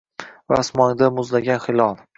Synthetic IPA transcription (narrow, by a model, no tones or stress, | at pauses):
va̰smɒnd̪amʊzlaɡʲanχɪlˠɒlˠ